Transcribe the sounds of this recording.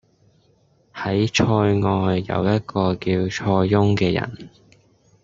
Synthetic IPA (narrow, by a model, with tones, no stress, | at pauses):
hɐ˨˥jt͡ʃʰɔː˧jŋɔː˧jːɐ̰˨˧wjɐ˥t̚kɔː˧kiː˧wt͡ʃʰɔː˧jːʊ˥ŋkɛː˧jɐ̰˨˩n